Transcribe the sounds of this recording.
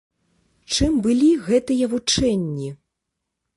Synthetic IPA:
t͡ʂɨmbɨlʲiɣɛt̪ɨjɐvut͡ʂɛnʲːi

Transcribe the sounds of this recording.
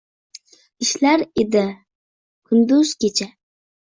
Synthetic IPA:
iʃlaɾɪd̪ɪ | kʰʊnd̪uz̥kʲet͡ʃʰa

